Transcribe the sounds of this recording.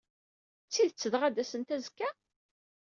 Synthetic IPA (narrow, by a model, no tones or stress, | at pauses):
t͡sːiðt͡sːəðʁæd̪æsənt̪æzkːæ